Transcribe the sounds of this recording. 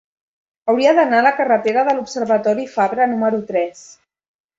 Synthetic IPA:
əwɾiəðənaləkərət̪eɾəðəlupsərβət̪ɔɾifaβɾənuməɾut̪ɾɛs

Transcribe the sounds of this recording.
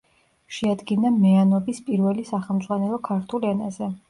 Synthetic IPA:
ʃɛad̪ɡinamɛanɔbispʼiɾvɛlisaχɛlˠmt̪zʼʁwanɛlˠɔkʰaɾt̪ʰulɛnazɛ

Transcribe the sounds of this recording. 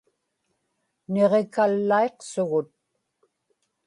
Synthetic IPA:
ne̞ʁekalːae̞qsʊɣʊt̪̚

